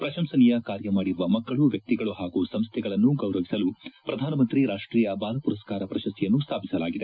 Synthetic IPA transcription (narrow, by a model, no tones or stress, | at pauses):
pɾɐʃɐmsɐnijɐkaːɾjɐmaːɽiɾuʋɐmɐkːɐɭuʋjɐk̚t̪iɡɐɭuɦaːɡusɐmst̪ʰɛɡɐɭɐnːuɡɐwɾɐʋisɐlupɾɐd̪ʱaːnɐmɐnt̪ɾiɾaːʂʈɾiːjɐbaːlɐpuɾɐskaːɾɐpɾɐʃɐst̪ʰijɐnːust̪ʰaːpisɐlaːɡid̪e